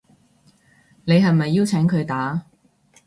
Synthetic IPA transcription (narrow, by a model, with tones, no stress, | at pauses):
ne˨˧jɦɐ˨jmɐ˨jːi˥wt͡sʰɛː˨˥ŋkʰɵ˨˧t̪aː˨˥